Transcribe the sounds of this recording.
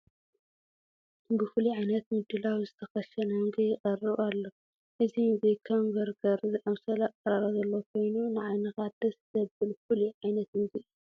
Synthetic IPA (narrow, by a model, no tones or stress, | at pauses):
bɨfɨliʕajnɐt̪mɨd̪ːɨlawzɨt̪ʰɐxɐʃɐnhɨŋɡɐjɪqʼɐrːɨβalːo | ʔɨzinzikʰɐmvɐɾɡɐɾzɨʔɐmsɐlaqʼɐɾaɾazɐlːokʰo̞jnunɨʕajnɐxad̪ɐsɨzɐbɨlfɨliʕajnɐt̪ɨnzɨu